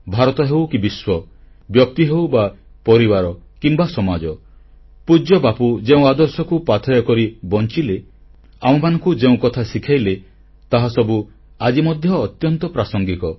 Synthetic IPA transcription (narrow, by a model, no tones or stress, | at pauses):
bʱaɾɔt̪ɔɦewkibiswɔ | bjɔk̚t̪iɦewba | pɔɾibaɾɔkimbasɔmad͡ʒɔ | pud͡ʒɔbapud͡ʒeũad̪ɔɾsɔkupat̪ʰɔjɔkɔɾibɔnt͡ʃile | amɔmanɔŋkud͡ʒeũkɔt̪ʰasikʰajle | t̪aɦasɔbu | ad͡ʒimɔd̪ʱjɔːt̪jɔnt̪ɔpɾasɔŋɡikɔ